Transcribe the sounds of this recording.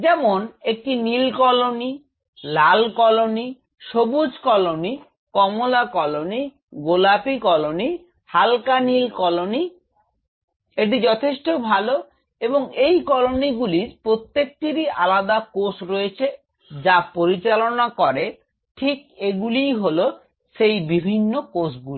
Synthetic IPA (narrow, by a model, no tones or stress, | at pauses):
d͡ʑɛmonek̚ʈinilkɔloni | lalkɔloni | ʃobud͡ʑʱkɔloni | kɔmolakɔloni | ɡolapikɔloni | halkanilkɔloni | eʈ̬id͡ʑɔt̪ʰeʃʈobʱalo | eboŋejkɔloniɡuliɾpɾot̪ːek̚ʈiɾiʔalad̪akosɾoet͡ɕʰe | d͡ʑapoɾit͡ɕalonakɔɾe | ʈʰik̚eɡulijɦolo | ʃejbibʱinːokosɡuli